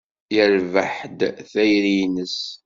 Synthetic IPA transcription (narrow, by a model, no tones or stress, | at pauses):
jəɾvəħd̪θæjɾinəs